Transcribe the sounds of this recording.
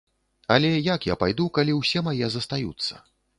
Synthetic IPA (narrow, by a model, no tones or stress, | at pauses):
ɐlʲɛjakja̰pajd̪ukalʲiwsʲɛmajɛzɐst̪ajṵt̪sːɐ̥̰